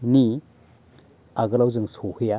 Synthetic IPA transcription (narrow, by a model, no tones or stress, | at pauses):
ni | aɡɯlawzɯŋsohɯja